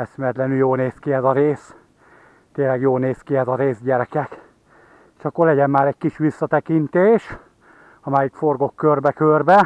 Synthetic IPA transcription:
ɛsmɛt̪lɛnyljoːlneːskiɛzɒɾeːs | t̪eːnlɛɡjoːlneːskiɛzɒɾeːzɟɛɾɛkɛk | eʃɒkːorlɛɟɛmmaːɾɛc̚kiʃʋisːɒt̪ɛkint̪eːʃ | ɒmaːjikfo̞rɡo̞kːørbɛkørbɛ

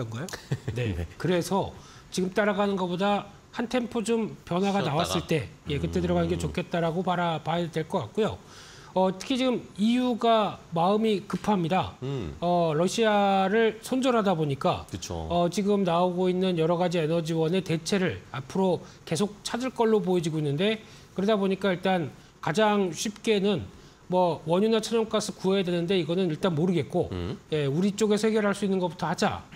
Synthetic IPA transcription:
ɡʌone̞̰kɯɾe̞sʰʌ | t͡ɕiɡɯmt͈aɾaɡanɯnɡʌboda | hantʰe̞mpʰod͡ʑompjʌnwaɡanawas͈ɯɭt͈e̞je̞kɯt͈e̞dɯɾʌɣanɯnɡe̞t͡ɕokʰe̞t̚t͈aɾaɡopaɾapadwe̞ɭk͈ʌk͈ak͈̚ujo | ʌtʰɯ̥kʰit͡ɕiɡɯmijuɡamaɯmikɯpʰamɲidaʌɾʌɕʰiaɾɯɭsʰond͡ʑʌɾɦadaboɲik͈a̰kɯt͡ɕʰo̰ʌt͡ɕiɡɯmnaoɡoinːɯnjʌɾʌɡad͡ʑienʌd͡ʑiwʌne̞te̞t͡ɕʰe̞ɾɯɭapʰɯɾo | ke̞sʰok̚t͡ɕʰad͡ʑɯɭk͈ʌɭːopojʌd͡ʑiɡoinːɯnde̞ | kɯɾedaboɲik͈aiɭt͈an | kad͡ʑaŋɕʰip̚k͈e̞nɯn | mwʌwʌɲunat͡ɕʰʌɲʌŋk͈asʰɯkuejadwe̞nɯnde̞iɡʌnɯniɭt͈anmoɾɯɡe̞t̚k͈oje̞uɾit͡ɕ͈oɡe̞sʰʌheɡjʌɭɦaɭs͈uinːɯnɡʌputʰʌhad͡ʑa̰

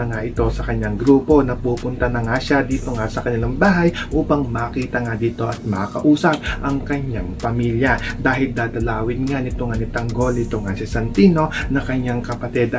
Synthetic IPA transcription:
ɐŋaʔɪt̪o̞sɐkɐɲaŋɡɾuːpo̞nɐpuːpʊnt̪ɐnɐŋaʃad̪iːt̪o̞ŋasɐkɐɲɐlɐmbaːɦɐjʔuːpɐŋmɐːkiːt̪ɐŋad̪iːt̪o̞ʔɐt̪̚mɐkakɐ̰ʔuːsɐp̚ʔɐŋkɐɲjaŋpɐmiːljɐd̪aːhɪld̪aːd̪ɐlaːwɪnŋanɪt̪oŋɐnɪt̪ɐŋɡo̞lɪt̪oŋasɪsɐnt̪iːno̞nɐkɐɲjaŋkɐpɐt̪ɛd̪

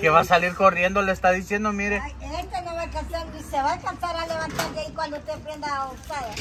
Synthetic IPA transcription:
keβasaliɾko̞rje̞nd̪olest̪aðisje̞nd̪omiɾeenest̪anoβakasjond̪iseβakantaɾaleβant̪aɾðaikwand̪ot̪epɾend̪aotaða

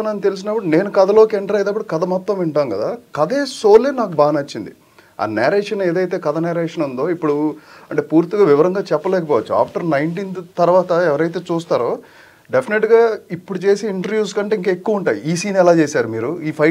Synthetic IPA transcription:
ɐnɐnt̪e̞lus̬inɐpːuɽune̞ːnukɐd̪ɐlo̞ːkɛɳʈɾaːjɐd̪ɐpːuɽukɐd̪ɐmɔt̪ːɐmʋɛɳʈaːnkɐd̪aːkɐd̪e̞ːso̞ːleːnaːkubaːnɐt͡ʃːind̪i | a̰ːnaːɾeːʂɐneːd̪ɐjt̪e̞ːkɐd̪ɐnaːɾeːʂɐnund̪o̞ːipːuɽuɐɳʈe̞ːpuːɾt̪iɡaːʋiʋɐɾɐŋɡaːt͡ʃɛpːɐlɛːkɐpɔːʋɐt͡ʃːua̰ːpʰʈɐɾnɐjɳʈ̬int̪ɐɾʋaːt̪ɐɛʋɐɾɐjt̪eːt͡ʃuːst̪aːɾoː | ɖepʰineʈɡaːipːuɽut͡ʃe̞ːseːiɳʈɐɾʋjuːskɐɳʈe̞ːiŋkɐekːuʋɐuɳʈaːjiiːsiːnɛlaːt͡ʃeːsaːɾumiːɾuiːpʰɐ

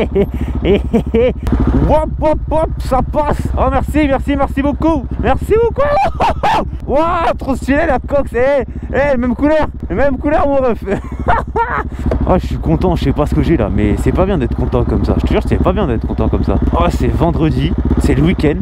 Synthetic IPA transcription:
e | wapɔpɔpsapasɔmɛʁsimɛʁsimɛʁsibokumɛʁsiboku | wat̪χɔ̃st̪ilelakɔkseɛəmɛmkulœʁlemɛmkulœʁmɔ̃ʁɛf | a̰ʒəsɥikɔ̃t̪ɑ̃əsɛpasə̥kəʒɛla̰mɛsɛpabjɛ̃d̪ɛt̪χə̥kɔ̃t̪ɑ̃kɔmsa̰ʒə̥t̪əʒyʁsɛpabjɛ̃d̪ɛt̪χəkɔ̃t̪ɑ̃kɔmsa̰ɔsɛvɑ̃d̪ʁəd̪isɛləwikʲɛnd̪

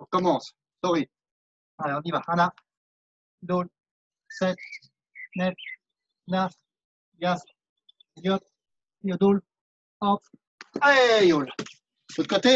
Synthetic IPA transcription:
kɔmɑ̃s | sɔʁi | aleɔ̃nivaana | d̪ul | sɛt̪ | nɛf | nəf | jaf | ljɔt̪ | jod̪ul | ɑ̃t̪ | aejol | ot̪kot̪e

